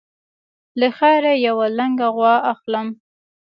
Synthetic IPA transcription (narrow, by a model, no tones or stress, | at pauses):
ləxaɾajawalaŋɡaɣwɑaxləm